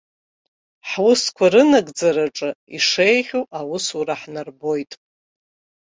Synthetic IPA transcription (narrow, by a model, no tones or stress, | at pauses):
ħwʊskʷʰaɾɨnaɡʼd͡zaɾaʈ͡ʂʼɨiʂejχʲuʔawʊsuɾaħnarbo̞jtʼ